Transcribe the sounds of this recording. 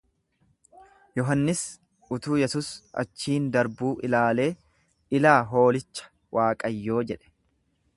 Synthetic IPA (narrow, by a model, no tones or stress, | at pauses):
jɔɦɐnːɪs | ʊt̪uːjɛsuːsɐ̰t͡ʃːiːnd̪ɐɾbuːʔɪlaːle̞ː | ɪlaːɦo̞ːlɪt͡ʃːɐ̥ | wʔaːkʼɐjːo̞ːd͡ʒɛᶑɛ̥